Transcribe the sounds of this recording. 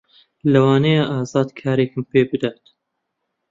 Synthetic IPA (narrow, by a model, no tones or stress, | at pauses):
lɐwɑːnɐjaʔaːzɑːd̪kʰaːɾekɨmpeːbɨd̪aːt̪